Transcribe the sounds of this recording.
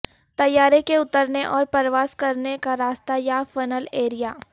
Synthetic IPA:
t̪ɐjːaːɾekeʊt̪əɾneʔɔːɾpɐɾʋaːskɐɾnekaɾaːst̪ajafɐnəleːɾijaː

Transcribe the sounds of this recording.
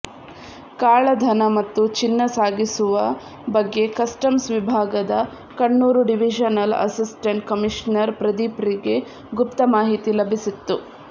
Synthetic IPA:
kaːɭɐd̪ʱɐnɐmɐt̪ːut͡ʃinːɐsaːɡisuʋɐ | bɐɡːe̞kɐsʈɐmsʋibʱaːɡɐd̪ɐ | kɐɳːuːɾuɖiʋid͡ʒɐnɐlɐ̰sisʈeɳʈ̚kɐmiʂnɐɾpɾɐd̪ipɾiɡe̞ | ɡupt̪ɐmaːɦit̪ilɐbʱisit̪ːu

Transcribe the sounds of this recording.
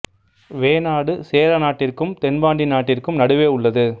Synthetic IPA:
ʋeːnaːɽɯseːlɐnaːʈːɪrkɯmt̪ɛnbaːɳɖinaːʈːɪrkɯmnɐɽɯʋeːʊɭːɐðɯ

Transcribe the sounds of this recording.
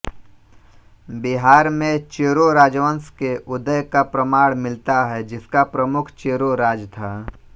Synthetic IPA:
bɪɦaːɾmẽt͡ʃeːɾoɾaːd͡ʒʋənskeʔʊd̪əjkapɾəmaːɽmɪlt̪aɦɛd͡ʒɪskapɾəmʊkʰt͡ʃeːɾoɾaːd͡ʒt̪ʰaː

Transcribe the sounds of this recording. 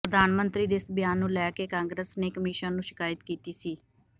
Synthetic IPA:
əd̪aːnmənt̪ɾiːd̪eːɪsbɪjaːnːũːlɛːkeːkãːŋɡɾəsneːkəmiːʃãːnũːʃɪ̥kaːjət̪kiːt̪iːsiː

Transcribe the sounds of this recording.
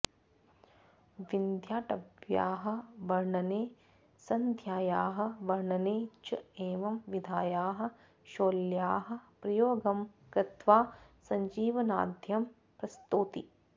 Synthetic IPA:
ʋind̪ʱjaːʈɐbja̰ːɦɐ̆ʋɐɾɳɐneː | sɐnd̪ʱjaːjaːɦɐ̆ʋɐɾɳɐneːt͡ʃɐeːʋɐmʋid̪ʱaːjaːɦɐ̆ | ʃoːljaːɦɐ̆pɾɐjoːɡɐmkɾɪt̪ʋaːsɐ̃ɲd͡ʒiːʋɐna̰ːd̪ʱjɐm | pɾɐst̪uːt̪i

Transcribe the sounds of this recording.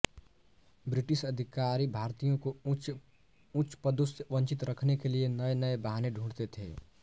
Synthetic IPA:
bɾɪʈɪʃɐd̪ʱɪkaːɾibʱaːɾt̪ijõko | ʊ̃t͡ʃpəd̪ʊsʋɐ̃nt͡ʃɪt̪ɾɐkʰnekelienɐenɐebaɦneɖʱũːɽt̪et̪ʰḛː

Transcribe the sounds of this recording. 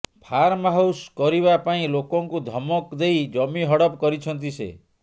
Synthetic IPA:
pʰaɾmaɦuwskɔɾiβapaĩlokɔŋkud̪ʱɔmɔkd̪ejd͡ʒɔmiɦɔɽɔpkɔɾit͡ʃʰɔnt̪̬isḛ

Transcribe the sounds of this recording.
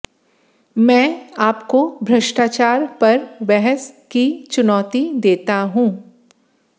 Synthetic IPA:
mɛ̃ːaːpkobʱɾɐʃʈaːt͡ʃaːɾpɐɾʋɛɦəskit͡ʃʊnɔːt̪id̪eːt̪aɦũː

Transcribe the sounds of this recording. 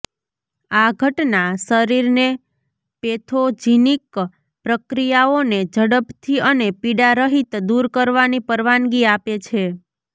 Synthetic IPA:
aɡʱəʈnasəɾiɾne | pet̪ʰod͡ʒinik | pɾəkɾijaoned͡ʒəɽəpt̪ʰiənepiɽaɾəɦit̪d̪uɾkəɾʋanipəɾʋanɡiapet͡ʃʰe

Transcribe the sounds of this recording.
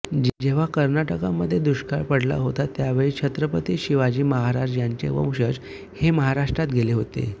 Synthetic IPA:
d͡ʑd͡ʑeʋ̤akəɾnaʈəkamːəd̪ʱːjed̪uɕkaɭpəɽla̰ɦot̪at̪jaʋeɭit͡ɕʰət̪ɾəpət̪iːɕiʋad͡ʑiːməɦaɾajaɲt͡ɕḛʋə̰̃w̃ɕəd͡z | heməɦaɾaʂʈɾat̪ɡʱeleɦot̪ḛ

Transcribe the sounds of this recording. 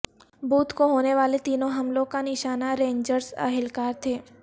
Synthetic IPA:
buːt̪koɦoːneʋaːlet̪iːnõɦɐmlõkanɪʃaːnaɾẽːɲd͡ʒəɾsɐ̰ɦɪlkaːɾt̪ʰeː

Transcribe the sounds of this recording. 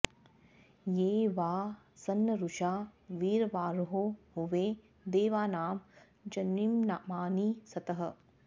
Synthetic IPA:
jeːʋaː | sɐnːɐɾuʃaːʋiːɾʋaːɾɦoɦuʋeː | d̪eːʋaːnaːm | d͡ʒɐnːimnamaːnisɐt̪ɐɦɐ̆

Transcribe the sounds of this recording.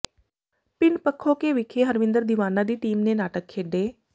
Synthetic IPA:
pɪɳpəkʰːoːkeːʋɪkʰeːɦəɾʋɪ̃nd̪əɾd̪ɪʋaːnãːd̪iːʈiːmneːnaːʈəkʰːeːɖeː

